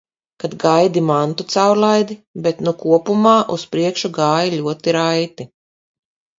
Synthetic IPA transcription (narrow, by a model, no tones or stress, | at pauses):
kad̪ɡajd̪imant̪ut̪sawɾlˠajd̪ibet̪nukuɔpumaːʔuspɾiɛkʃuɡaːjilʲuɔt̪iɾajt̪i